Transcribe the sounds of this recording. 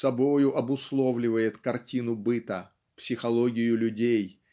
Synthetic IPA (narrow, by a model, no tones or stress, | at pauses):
sɐbojʊʔɐbʊslˠovlʲɪvəjɪt̪kɐrtʲinʊbɨt̪ə | psʲɪxɐlˠoɡʲɪjʊlʲʉdʲej